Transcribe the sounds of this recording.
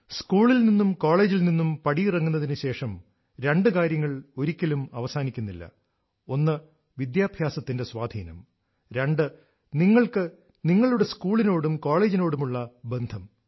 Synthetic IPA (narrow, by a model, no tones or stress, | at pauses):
skuːɭilninːumko̞ːɭe̞ːd͡ʑilninːumpɐɽijrɐŋːunːɐðinɨɕe̞ːʂɐm | ɾe̞ɳɖɨkaːɾjɐŋːɐɭo̞ɾikʲːɐlumɐʋɐsaːnikʲːunːilːɐ̰ | o̞nːɨ | ʋid̪jaːbʱjaːsɐt̪ːinde̞sʋaːd̪ʱiːnɐ̰m | ɾe̞ɳɖɨ | niŋːɐɭkɨ | niŋːɐɭuɽe̞skuːɭino̞ːɽumko̞ːɭe̞ːd͡ʑino̞ːɽumuɭːɐbe̞nd̪ʱɐm